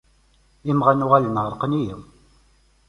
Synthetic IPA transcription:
imʁanuʁalənʁəɾˤqənijəw

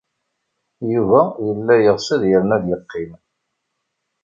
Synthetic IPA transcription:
juvæjəlːæjəʁsəðjəɾnæðjəqːɪm

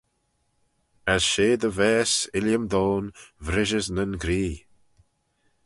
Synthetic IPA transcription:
əz̥ʃeːd̪əvɛːsɪljəmd̪oːnvɾɪʒəznənɡɾiː

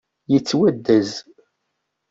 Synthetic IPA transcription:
jət͡sːwæd̪ːæz

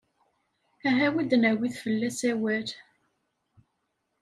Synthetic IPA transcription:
æɦæwid̪næwiθfəlːæsæwæɾ

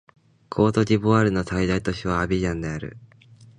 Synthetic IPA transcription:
kʰo̞ːt̪o̞d͡ʑiboaɾɯ̟no̞said̪ait̪o̞ɕiβaːbʲiʑãnd̪e̞aɾɯ̰

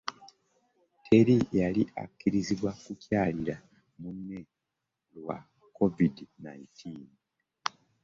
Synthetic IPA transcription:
tʰe̞ɾijaliʔa̰kːiɾiziβwakucaːliɾa | munːe̞ | lwa̰ | ko̞vidnaintʰiːn

